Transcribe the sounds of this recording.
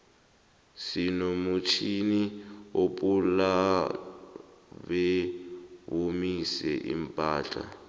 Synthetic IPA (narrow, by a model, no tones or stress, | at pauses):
sinomut͡ʃʰiniopula | βɛ | βomisɛ̰ʔḭmpʼaːt͡ɬʼa̰